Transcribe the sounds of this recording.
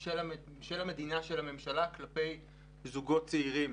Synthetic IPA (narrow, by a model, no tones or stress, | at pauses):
ela | ʃelame̞dinaʃe̞lhame̞mʃalaklape̞j | zuɡo̞t̚t͡seiʁim